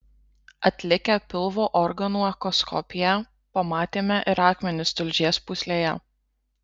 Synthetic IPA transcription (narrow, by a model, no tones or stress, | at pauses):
ɐt̪ʲlʲɪkʲɛpʲɪlˠʋoːʔɔɾɡɐnuːɐkɔskʰɔ̰pʲɪjæ | pɐmɑːt̪ʲeːmʲɛʔɪɾɑːkmʲɛnʲɪst̪ʊlʲʒʲiɛspʊsʲlʲeːjɛ̰